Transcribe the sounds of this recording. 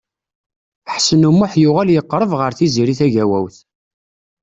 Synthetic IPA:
ħsənumːʊħjʊʁæljəqːɾˤəvʁəɾθiziɾiθæʝæwæ̰wθ

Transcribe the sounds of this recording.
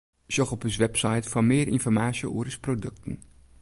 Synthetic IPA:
z̥ɔχɔpəsʋɛpsɑjtfɑnmɪːərɪ̰nfɔɹmaːsjəoːɾəsprodɵk̚tən

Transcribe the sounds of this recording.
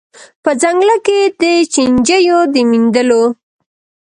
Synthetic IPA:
pəzaŋɡlaked̪ət͡ʃind͡ʒəjod̪əmind̪əlo

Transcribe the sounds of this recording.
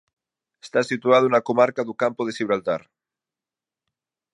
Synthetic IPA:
est̪asit̪uað̞onakomaɾkaðukampoð̞esiβɾalt̪a̰ɾ

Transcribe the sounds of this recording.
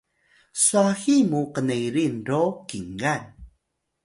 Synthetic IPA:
suaximuqənejɾinrokiŋɡan

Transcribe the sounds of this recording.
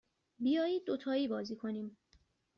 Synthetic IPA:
bijɒːjiːd̪̚ːot̪ʰɒːiːbɒːziːkʰo̞niːm

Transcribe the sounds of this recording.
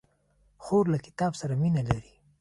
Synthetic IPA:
xoɾlakɪ̥t̪ɑbsaɾaminalaɾi

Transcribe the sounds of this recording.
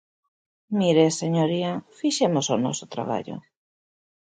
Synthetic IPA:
miɾeseɲoɾiɐfiʃemosonɔ̰sʊt̪ɾa̰βa̰ʎo̰

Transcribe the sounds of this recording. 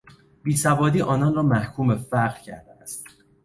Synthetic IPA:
b̥iːsævɒːd̪iːʔɒːnɒnrɒːmæhkʰuːmbefæɾʁɾcʰæ̰ɾd̪eæst̪

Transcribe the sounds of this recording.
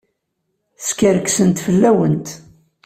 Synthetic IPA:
skəɾəksənt̪fəlːæwənt̪

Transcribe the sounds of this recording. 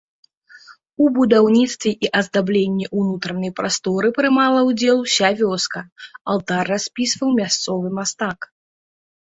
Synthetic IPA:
ubud̪awnʲit̪st̪vʲɛʔiʔɐzd̪ablʲenʲːɛʔunut̪ɾɐnɐjpɾʔast̪ɔɾɨpɾɨmalˠɐwd͡zʲɛlˠsʲavʲɔskɐɐ̰lˠt̪arːasʲpʲisvɐwmʲast̪sɔvɨmast̪ak

